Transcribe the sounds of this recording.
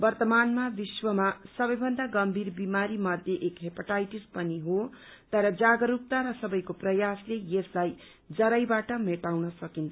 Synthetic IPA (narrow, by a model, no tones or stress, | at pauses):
bʌrt̪ʌmanmabiswʌmasʌbʌjbʱʌnd̪aɡʌmbʱirbimaɾimʌd̪ʱjeʔekɦepaʈajʈispʌniɦot̪ʌɾʌd͡zaɡʌɾuk̚t̪aɾʌsʌbʌjkoprʌjaslejeslaj | d͡zʌɾʌjbaʈʌmeʈawnʌsʌkint̪ʰ